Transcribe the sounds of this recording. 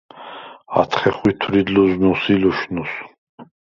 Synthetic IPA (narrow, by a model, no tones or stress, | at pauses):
a̰t̪ʰχɛχwit̪ʰɾid̪luznusilɔʃnus